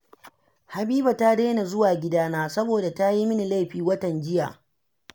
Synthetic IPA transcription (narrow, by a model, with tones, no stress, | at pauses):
ha˨biː˦ba˨ta˦ɽeː˦na˨zʊ˦waː˨ɡʲɪ˦daː˦naː˦sɐ˦boː˨da˨ta˦ji˦mɪ˦ni˨la˦jɸiː˨wɐ˦tɐ˨nd͡ʒɪ˦ja̰ː˨